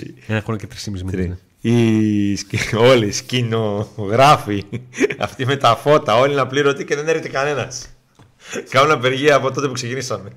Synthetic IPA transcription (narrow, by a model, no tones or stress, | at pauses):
enɐxonocet̪ɾi̥simizmi | iso̞liscino̞ɣɾɐfiɐ̰ft̪ime̞t̪ɐfo̞t̪ɐo̞linɐpliɾo̞t̪ice̞ðe̞neɾçet̪ekɐne̞nɐs | kɐnunɐpe̞ɾʝiɐpo̞t̪o̞t̪epukse̞cinisɐme̞